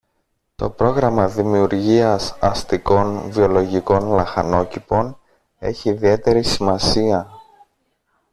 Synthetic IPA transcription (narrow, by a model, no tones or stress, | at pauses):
t̪o̞̰pɾo̞ɣɾɐmɐðimiuɾʝiɐsɐst̪iko̞nvio̞lo̞ʝiko̞nlɐxɐno̞cipo̞n | e̞̰çiːðie̞t̪e̞ɾisimɐsiɐ